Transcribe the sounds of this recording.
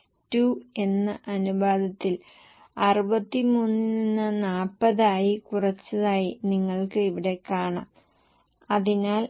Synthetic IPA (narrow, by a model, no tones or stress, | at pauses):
tuːe̞nːɐʔɐnubaːd̪ɐt̪ːil | ɐrubɐt̪ːimuːninːɨnaːpːɐðaːjikurɐt͡ɕːɐðaːjiniŋːɐɭkɨiʋiɽe̞kaːɳa̰ːm | ɐðinaːl